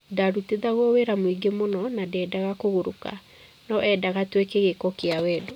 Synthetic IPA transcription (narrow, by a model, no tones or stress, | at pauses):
daɾuteðaɣɔweɾamwiɡemonɔnadɛdaɣakoɣoɾoka̰ | nɔʔɛdaɣatwekeɣekɔkeawɛːdo